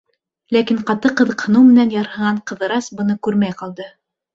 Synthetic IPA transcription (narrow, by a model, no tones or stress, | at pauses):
lækiɴqɑt̪ɤqɤ̆ðɤ̆qhɤ̆nɤwmɘ̆nænjɑɾhɤ̆ʁɑɴqɤ̆ðɤ̆ɾɑsbɤ̆nɤkʉɾmæjqɑlˠd̪ɤ